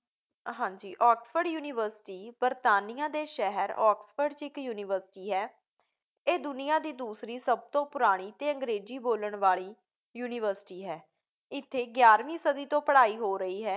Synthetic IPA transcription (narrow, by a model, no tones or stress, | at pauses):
ɦãːɲd͡ʒiːʔɔːksfəɾɖjuːnɪːʋəɾsɪ̥ʈiːbəɾt̪aːnɪjãːd̪eːʃɛɦəɾɔːksfəɾɖt͡ʃɪkjuːnɪʋəɾsɪ̥ʈiːɦɛː | eːd̪ʊnɪjãːd̪iːd̪uːsɾiːsəb̚t̪õːpʊɾaːɽ̃iːt̪eːə̃ŋɡɾeːd͡ʒiːboːləɳ̃ʋaːɭiː | juːnɪʋəɾsɪ̥ʈiːɦɛː | ɪt̪ʰːeːɡjaːɾʋĩːsəd̪iːt̪õːpəɽaːiːɦoːɾəiːɦɛː